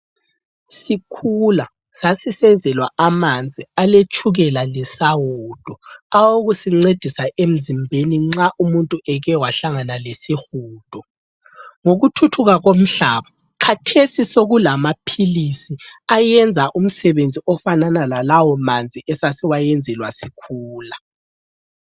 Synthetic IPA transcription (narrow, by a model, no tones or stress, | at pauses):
sikʰula | sasisɛnd͡zʱɛlwaamand͡zʱialet͡ʃʰʼuɣɛlalɛsawuːd̥ʱɔawoɣusiŋ͡ǀed̥ʱisaʔem̩zimbʱeniŋ͡ǁaʔumuntʼuɛɣɛwaɬaŋanalesixuːd̥ʱɔ | ŋoɣutʰutʰuɣaɣom̩ɬaːβa | kʰatʰesisoɣulamapʰilisiajɛnd͡zʱaʔum̩sɛβend͡zʱiʔɔfananalalawɔmand͡zʱiʔɛsasiwajɛnd͡zʱɛlwasikʰuːla